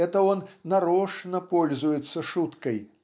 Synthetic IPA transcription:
ɛt̪ɐɔnːaɾɔʂnɐpɔlʲzujɛt̪sːɐʂut̪kɐj

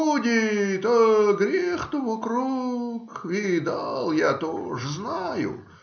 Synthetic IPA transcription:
udʲɪt̪əɡɾʲext̪ovɐkɾukʲɪd̪alˠjat̪o̰ʐəznajʊ̰

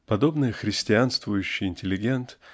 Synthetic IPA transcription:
pɐd̪o̞bnɨjəxɾʲɪsʲtʲɪanst̪vʊjʉɕːɪjɪnʲtʲɪlʲɪɡʲent̪

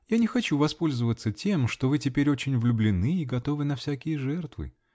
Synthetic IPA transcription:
janʲɪxɐt͡ɕuvɐspo̞lʲzəvət̪sətʲe̞mʂt̪o̞vɨtʲɪpʲeɾʲo̞t͡ɕɪnʲʊvlʲʊblʲɪnɨiɡɐt̪o̞vɨnɐfsʲækʲɪjəʐɛrt̪vɨ̰

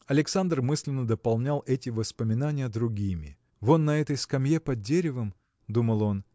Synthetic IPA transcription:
ɐlʲɪksand̪rmɨsʲlʲɪnːəd̪əpɐlˠnʲalˠʔɛtʲɪvəspəmʲɪnanʲɪjəd̪ɾʊɡʲimʲɪ̰ | vo̞t̪nɐɛt̪əjskɐmjepɐd̪̚dʲeɾʲɪvəm | d̪uməlˠo̞n

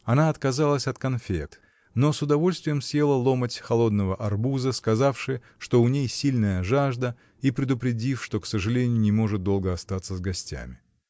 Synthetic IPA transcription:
ɐnaɐt̪kɐzalˠəsʲɐt̪kɐnfʲḛt̪ | no̞sʊd̪ɐvo̞lʲst̪vʲɪjəmsje̞lˠəlˠo̞mətʲxɐlˠo̞d̪nəvəʔɐrbuzəskɐzafʂɨj | ʂt̪o̞ʊnʲejsʲilʲnəjəʐaʐd̪ə | ipɾʲɪd̪ʊpɾʲɪdʲifʂt̪o̞ksəʐɨlʲenʲɪjʊnʲɪmo̞ʐɨt̪̚d̪o̞lˠɡəɐst̪at̪səzɡɐsʲtʲæ̰mʲɪ

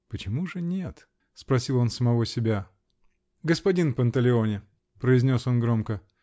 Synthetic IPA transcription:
pət͡ɕɪmuʐɨnʲet̪ | spɾɐsʲilˠo̞nsəmɐvo̞sʲɪbʲa | ɡəspɐdʲinpənt̪əlʲɪo̞nʲɪ | pɾəɪzʲnʲo̞so̞nɡɾo̞mkə

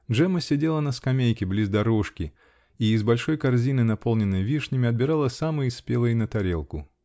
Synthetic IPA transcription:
dʐɛməsʲɪdʲe̞lˠənəskɐmʲejkʲɪblʲizd̪ɐɾoʂkʲɪ | iːzbɐlʲʂojkɐrzʲinɨnɐpo̞lˠnʲɪnːɨjvʲiʂnʲɪmʲɪɐd̪̚bʲɪɾalˠəsamɨjɪspʲelˠəjnət̪ɐɾʲe̞lˠkʊ

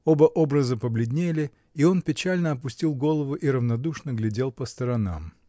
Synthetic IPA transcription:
o̞bəʔo̞bɾəzəpəblʲɪd̪ʲnʲelʲɪ | io̞npʲɪt͡ɕælʲnəɐpʊsʲtʲilˠɡo̞lˠəvʊʔiɾəvnɐd̪uʂnəɡlʲɪdʲe̞lˠpəst̪əɾɐna̰m

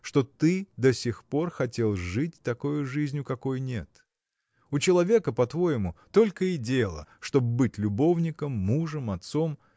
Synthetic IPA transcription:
ʂt̪o̞t̪ɨd̪ɐsʲɪxpo̞rxɐtʲe̞lˠʐɨtʲt̪ɐko̞jʊʐɨzʲnʲjʊkɐko̞jnʲe̞̰t̪ | ʊt͡ɕɪlˠɐvʲe̞kəpɐt̪vo̞jɪmʊt̪o̞lʲkəɪdʲelˠə̰ʂt̪obbɨtʲlʲʊbo̞vnʲɪkəmːuʐɨmɐt̪so̞m

